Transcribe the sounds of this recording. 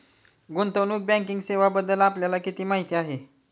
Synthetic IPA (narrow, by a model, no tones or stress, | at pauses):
ɡunt̪əwnuːk̚bɛ̃ŋkiŋɡseʋabəd̪ːəlapljalakit̪iːmaɦit̪iːaɦe